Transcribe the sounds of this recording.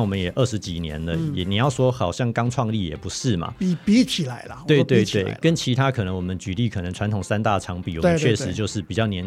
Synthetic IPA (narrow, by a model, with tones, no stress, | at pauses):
wɔ˨˩mə˦njɛ˨˩ʔə˥˩ʂɻ̩˧˦t͡ɕi˨˩njɛ̰˧˦ndə˨jɛ˨˩ni˨˩jɑ˥˩ʊswɔ˥xɑ˨˩ʊɕjɑ˥˩ŋkɑ˥ŋʈ͡ʂʰwɑ˥˧ŋli˥˩jɛ̰˨˩pu˧˦ʂɻ̩˥˩mɐ̰˨˩˧pi˧˥t͡ɕʰi˨˩la˧˦ɪlwe˥˧ɪt̪wɪt̪we˨˥˩kə˦nt͡ɕʰi˧˥t̪ʰa˥kʰɤ˨˩nɤ˧˦ŋwɔ˨˩mə˦nt͡ɕy˨˥li˥˩kʰɤ˨˩nɤ˧˥ŋʈ͡ʂʰwa˧˥nt̪ʰʊ˨˩ŋsa˥nt̪a˥˩ɑ˧˥ŋpi˨˩wɔ˨˥˦t͡ɕʰɥɛ˧˥˧ʂ̩˧˥˦t͡ɕjo˥˧ʊʂɻ̩˥˩pi˨˩t͡ɕjɑ˥˩ʊnjɛ˧˥n